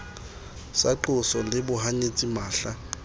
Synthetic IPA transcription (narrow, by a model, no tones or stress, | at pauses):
saǃʊsɔlɪbʊɦaɲet͡sʼimaːɬa